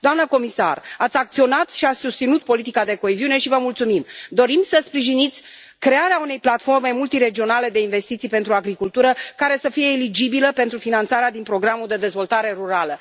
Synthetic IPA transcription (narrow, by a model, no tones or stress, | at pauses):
d̪oamnəko̞misa̰rat̪sʲak̚t̪sio̞nat̪ʃiat̪sʲsust̪sinut̪̚po̞lit̪ikad̪e̞ko̞eziune̞ʃivəmult̪sumimd̪o̞ɾimsəspɾiʒinit̪sʲ | kɾe̞aɾeaun̪e̞jplat̪fo̞rme̞mult̪iɾe̞d͡ʒio̞nale̞d̪e̞inve̞st̪it̪sijpent̪ɾuaɡɾikult̪uɾəkaɾe̞səfije̞elid͡ʒibiləpe̞nt̪ɾufinant̪saɾead̪inpɾo̞ɡɾamuld̪e̞d̪e̞zvo̞lt̪aɾe̞ɾuɾalə